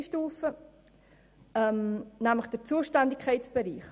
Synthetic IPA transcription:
ʃtuːfə | ɛmnæmləχd̥ərt͡suəʃtændɪkʰɛɪt͡sb̥eɾiːχ

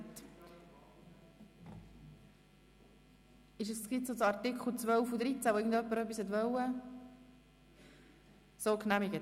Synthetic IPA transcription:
t | ɪʃ̬əst͡sɡɪt͡sot͡sɑɾtɪkʰχl̩ˠt͡svœlfud̪ɾit͡sæʋoɪɡ̚n̩d̪œpːəɾœpːishɛt̪vœwə | soːknæmɪɡə

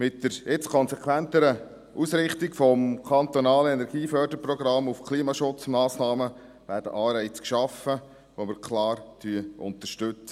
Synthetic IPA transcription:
mɪtːəɾɪt͡skʰɔnsɛkʰʋænt̪əɾə | ʔusɾɪχt̪ikfɔmkʰɑnt̪onɑːləɛnɛɾɡiːfœɾdəɾprɔɡɾɑmːufkʰliːmɑʃʊt͡smɑːsnɑːmə | ʋæːɾdə̰ʔɑːɾɛɪt͡skʃɑfə | ʋomɪɾkʰlɑːɾtʰyːəʔʊ̰nt̪əʃtɵt͡sə

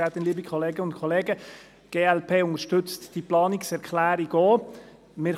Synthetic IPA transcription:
æt̪ɪnliːbikʰoleːɡəʊntkʰoleːɡə | ɡ̥eːɛlpʰeːʊnəɾʃtʏt͡std̥iplɑːniksɛɾkʰlæːɾiɡoː | mɪː

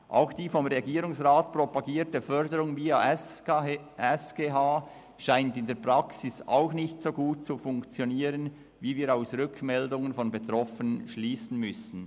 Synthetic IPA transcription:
ʔa̰ʊxd̥iːfɔmʁeɡiːɾʊŋsʁaːtpropaɡiːɾtəfœɾdəɾʊŋvia | ɛsɡ̥eːɦaː | ʃaɪntɪndeːɐpʁɑksɪsa̰ʊxnɪçtsoːɡuːt̚t͡sufʊŋkt͡sjoniːɾən | viːviːɾaʊsʁʏkʰmɛldʊŋənfɔnbetʁɔfənənʃliːsn̩mʏsn̩

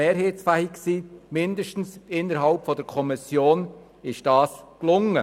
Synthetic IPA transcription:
eːɾɦheːt͡sfæhiksiːmɪndəʃtn̩sɪnːəɾɦɑlpfɔdəɾkʰɔmɪsjoːn | ɪʃd̥ɑːsklʊŋə

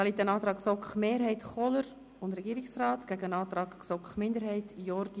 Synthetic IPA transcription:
ɑlit̪ənɑːt̪ɾɑːksɔkχmeːɾɦɛɪtχɔləɾ | ʊndɾɛɡiːɾɪksrɑːtɡ̥æɡəənɑːt̪ɾɑːksɔkχmɪndəɾhɛɪtjɔɾd̥i

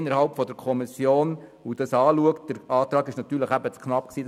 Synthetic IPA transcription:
nəɾhɑlpfɔdəɾkʰɔmɪsjoːnudɑsɑːluəkt̚d̥əɾɑːt̪ɾɑːɡɪʃnɑt̪ːyːɾləχæbət͡skʰnɑpksiː

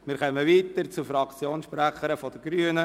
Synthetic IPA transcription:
mɪːɾχœməʋiːt̪əɾt͡sufɾɑkt͡sjoːnsʃpɾæχəɾəfɔd̥̪əɡ̥ɾyːənə

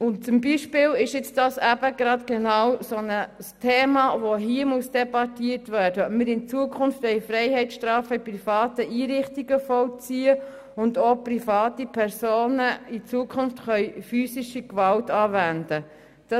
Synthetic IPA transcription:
ʊnt͡sʊmbiʃpɪːlɪʃɪt͡sd̥ɑsæbəɡ̥ɾɑtɡ̥enɑwsonəstʰeːmɑʋoɦiːəmuəsd̥ɛbɑtiːətʋæːrdəmɪɾɪnt͡suəkʰʊnftɛɪjfɾɛɪhɛɪt͡sʃtrɑːfəiprifɑːtəʔiːɾɪχtiɡəfɔlt͡siːə | ʊndoːprifɑːtipʰɛɾsoːnəit͡suəkʰʊnftχœʏfyːsiʃikʋɑltɑːvændə | d̥ɑ

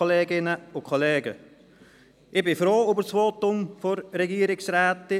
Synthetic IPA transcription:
oleːɡɪnəʊkʰoleːɡə | ʔɪbɪfɾoːybəsʋoːtʊmfoɾɾɛɡiːɾɪksrɛːtɪ

